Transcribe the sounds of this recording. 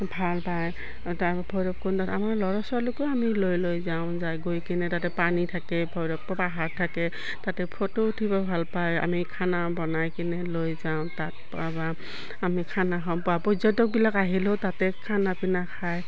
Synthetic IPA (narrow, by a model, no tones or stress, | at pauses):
bʱalpaj | ta | bʱɔjɹɔp̚kɔntatamaɹlɔɹɔsɔlʊkɔamilojlojzaʊ̃zajɡojkinɛtatɛpanitʰakɛbʰʱɔjɹɔk̚pɔpaɦaɹtʰakɛ | tatɛpʰotoutʰibabʱalpaja̰mikʰanabɔnajkinɛlojzaʊ̃tat̚ | aba | amikʰanakʰãpuapɔzɔtɔk̚bilakaɦilotatɛkʰanapinakʰaj